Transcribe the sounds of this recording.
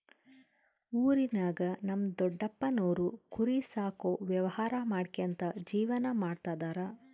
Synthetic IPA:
uːɾinaːɡɐnɐmːd̪ɔɖːɐpːɐnoːɾukʰuɾisaːkoːʋjɐʋɐhaːɾɐmaːɖkeɐnt̪ɐd͡ʒiːʋɐnɐmaːɖt̪aːd̪aːɾɐ

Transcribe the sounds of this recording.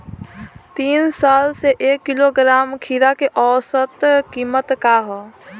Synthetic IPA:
t̪iːnsaːlseʔeːkːiloɡɾaːmkʰiɾakeʔɔːsət̪kiːmət̪kaɦɔ

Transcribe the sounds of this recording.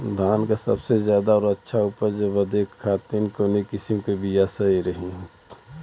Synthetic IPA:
d̪ʱaːnkasɐ̰bsezjaːd̪aɔːɾɐtːʃʰauːpəɾd͡ʒɐbəd̪ekʰːaːt̪inkonekɪsimkebijasɐiɾɐɦiɦ

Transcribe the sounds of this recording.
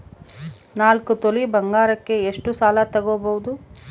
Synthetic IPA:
naːlkut̪olibɐŋɡaːɾɐkːe̞ːʂʈusaːlɐt̪ɐɡoːbɐwud̪u

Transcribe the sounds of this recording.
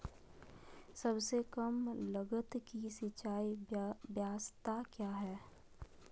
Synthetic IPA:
səbsekəmləɡət̪kisɪt͡ʃaːibjaːst̪akjaːɦɛː

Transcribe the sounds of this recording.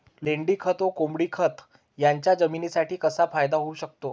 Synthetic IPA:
leɳɖiːkʰət̪okombɽiːkʰət̪ | jaɲt͡ɕjad͡zəminisaʈʰiːkəsafajd̪aɦouɕək̚t̪o

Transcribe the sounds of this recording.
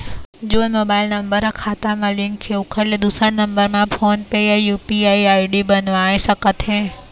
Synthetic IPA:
d͡ʒoːnmoːbaɪlnəmbəɾkʰaːt̪amãlɪ̃ŋkʰːeʊkʰəɾled̪usəɽnəmbəɾmãpʰoːnpeajuːpiaiaːiɖibənʋãesəkət̪ɦẽ

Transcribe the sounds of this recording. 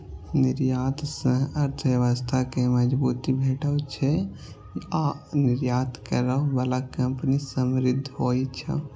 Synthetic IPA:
niɾjat̪sə̃ɦəɾt̪ʰʋjəʋəst̪ʰakeməd͡ʒbut̪ibʱeʈəwt͡ʃʰɛ | ianiɾjat̪ʰkəɾəbəlakəmpnisəmɾɪd̪ʱːɦojt͡ʃʰə̰

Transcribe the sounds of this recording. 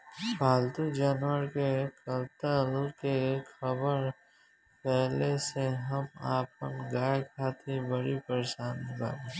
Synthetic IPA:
paːlt̪ud͡ʒaːnwəɾkekəlt̪əlkexɐbəɾ | pɛːɦleseɦɐmaːp̚ənɡaːjkʰaːt̪ʰibəɽipəɾeʃaːnba̰n

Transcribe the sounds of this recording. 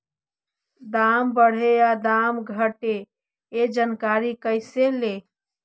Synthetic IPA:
d̪ambəɽ̤ead̪amɡʱəʈe | ed͡ʒənkaɾikəɪsele

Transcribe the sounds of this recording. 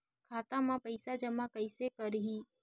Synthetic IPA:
kʰaːt̪ãmãpəɪsad͡ʒəmakəɪsekəɾɦi

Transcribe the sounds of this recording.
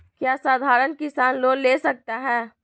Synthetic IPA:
kjaːsaːd̪ʱaːɾənkɪsaːnloːlleːsɐk̚t̪aɦɛː

